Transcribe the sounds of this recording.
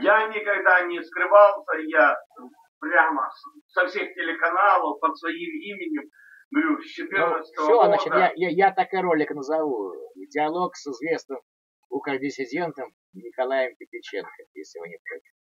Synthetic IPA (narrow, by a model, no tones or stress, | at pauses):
janʲɪkɐɡd̪anʲɪskɾɨvalˠsʲəja | pɾʲaməs | sɐfsʲextʲɪlʲɪkɐnalˠəfpət̪svɐimimʲɪnʲɪm | ɡɾʲuɕːɪt̪ɨəʂt̪soznat͡ɕɪt̪jajajat̪akɨɾo̞lʲɪknəzɐvudʲɪɐlˠo̞ksɨzvʲe̞snɨm | ukədʲɪsʲɪdʲe̞nt̪əm | nʲɪkɐlˠajəmpʲɪpʲɪt͡ɕḛnkəjḛsʲlʲɪjɪvonʲɪpɾʲo